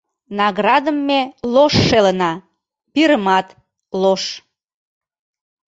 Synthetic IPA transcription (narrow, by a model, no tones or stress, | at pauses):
nɑɣrɑd̪əmːeloʃːelənɑ | piɾəmɑt̪ | loʃ